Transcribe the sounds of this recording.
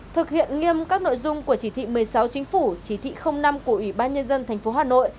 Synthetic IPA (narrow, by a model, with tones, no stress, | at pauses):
t̪ʰɨ˨˩k̚hḭ˧˨ənŋi˧əmkaː˦˥k̚no̰˧˨jzʊ˧ŋ͡mku˧˩ət͡ɕi˧˩t̪ʰḭ˧˨mɨ˨˩əjsa˨˦wt͡ɕï˨˦ŋ̟fu˧˩t͡ɕi˧˩t̪ʰḭ˧˨xə˧wŋ͡mna˧mku˧˩əʔwi˧˩ɓaː˧nɲə˧nzə˧nt̪ʰɛ˨˩jŋ̟fo˨˦haː˨˩no̰˧˨j